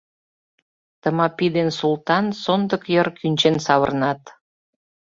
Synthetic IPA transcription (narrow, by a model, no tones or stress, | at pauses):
t̪əmɑpid̪ensult̪ɑnsond̪əkjərkynʲt͡ɕensɑβə̰rnɑt̪